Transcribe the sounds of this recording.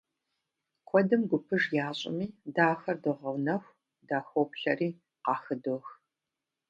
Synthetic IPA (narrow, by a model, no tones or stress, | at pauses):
kʷʰɔdɨmɡʷʊpʰɨʒjaːɕʼɪ̰miːdaːxɐrdɨʁɐwnɐxʷ | daːxʷowpɬɐriː | qɑːxɨdoːx